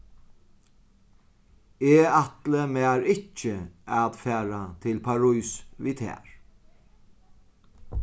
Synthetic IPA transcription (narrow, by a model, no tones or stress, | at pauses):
eːat̪ləmæːɹɪt͡ʃəaðfæːɹat̪ʰɪlpʰaɹujsʋiːt̪ʰɛ̰ːɹ